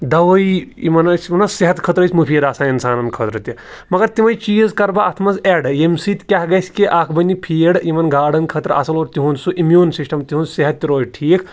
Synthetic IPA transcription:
d̪ɐʋɐjḭmɐnɐsmɐnɐseɦɐt̪kʰɐt̪ɾɐsʰʲmupʰiːd̪aːsaːinsaːnɐnkʰət̪ɾɐt̪i | mɐɡɐɾt̪imɐjt͡ʃiːzkɐɾbaɐt̪ʰmɐzeːɖjemsit̪kʲaɦɡɐsʲkiʔaːkʰbɐnʲːipʰiːɽimɐnɡaːɽɐnkʰɐt̪ɾɐ̰sɐloːɾt̪iɦunsuʔimjuːnsisʈɐmt̪iɦũːnseɦɐt̪ːiɾoːjiʈʰiːkʰ

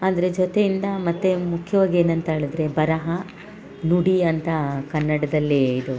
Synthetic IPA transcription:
aːd̪ɐɾe̞d͡ʒɔt̪ejind̪ɐmɐt̪ːe̞mukʰːjɐʋaːɡie̞ːnɐnt̪ɐɦeɭɐd̪ɾe̞bɐɾɐɦɐ | nuɽiɐnt̪ɐkɐnːɐɽɐd̪ɐlːiid̪u

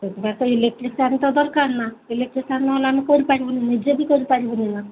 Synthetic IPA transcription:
t̪et̪ibat̪ɔelek̚ʈɾisanit̪ɔd̪ɔɾkaɾnaelek̚ʈɾisanːɔlamikɔɾipaɾibunined͡ʑebʱikɔɾipaɾibunina

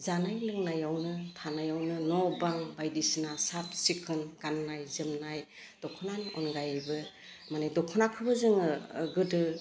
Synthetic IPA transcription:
zanajlɯŋnajawnɯtʰanajawnɯnɔbaŋbajdisinasat̚sikʰɯnɡanːajzɯmnaj | d̥ɔkʰɔnanɔ̰nɡajabɯ | manedɔkʰɔnakʰɯbɯzɯŋɯɡɯdɯ

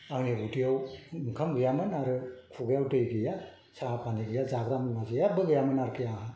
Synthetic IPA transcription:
aŋniutijawŋkʰamɡɯjamɯnaɾɯkʰuɡɯjawtɯjɡɯja | saapʰaniɡɯjazaɡɾamnmazejabɯɡɯjamɯnaɾkɯjaa

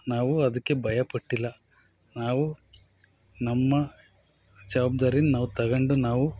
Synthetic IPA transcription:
naːʋuɐd̪ɐkːe̞bʱɐjɐpɐʈːilːɐ | naːʋu | nɐmːɐ | d͡ʒɐʋaːbd̪aːɾinunaːʋut̪ɐɡɐɳɖunaːʋu

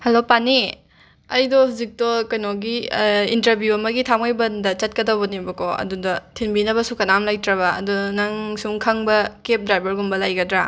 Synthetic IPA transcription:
hɐlopani | ɐjdɔhuzik̚tɔkɐjnɔɡiintɐɾbjuɐmɐɡitʰamajbɐndɐt͡ʃɐt̚kɐdɐwbɐnibɐkɔɐ̰dudɐtʰinbinɐbɐsukɐnamlajtɾɐβɐɐ̰dunɐŋsuŋkʰɐŋbɐkep̚dɾajbɐɾɡumbɐlajɡɐdɾa

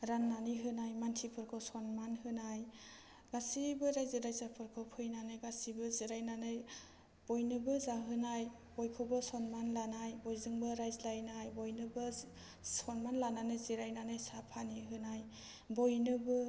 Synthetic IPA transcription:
ɾanːaniɦɯnajmantʰipʰɯɾkʰɯwsɔnmanhɯnaj | ɡ̥asibɯɾajzɯɾajzapʰɯɾkʰɔpʰɯjnanɯjɡasibɯziɾajnanɯj | b̥ojnɯbɯzaɦɯnaj | bojkʰɯbɯsɔnmanlanajbojzɯŋbɯɾajzlajnajbojnɯbɯ | sɔnmanlananɯziɾajnanɯjsapʰaniɦɯnaj | bojnɯbɯ

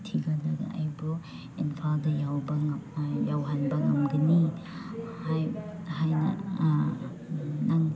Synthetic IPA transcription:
tʰiɡalɐɡa̰ajbɔ | inpʰaldɐjawbɐjawɦanbɐŋamɡɯni | hjhajnɐ̰ | naŋ

